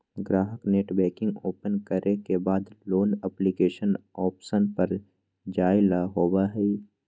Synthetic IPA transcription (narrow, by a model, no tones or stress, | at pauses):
ɡɾaːɦəkneːʈbɛːkɪ̃ŋɡoːpənkəɾekebaːd̪loːnɛːplikeːʃənɔːpʃənpəɾ | d͡ʒaːɪlaɦoːwaɦɛ